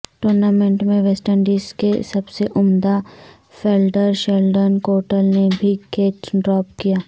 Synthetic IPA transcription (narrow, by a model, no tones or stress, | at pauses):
ʈoːɾnamẽɳʈmẽʋeːsʈənɖiːskesɐbseʔʊmd̪a | feːlɖəɾʃɛlɖənkoːɾʈəlnebʱikeːt͡ʃɖɾɔːpkijaː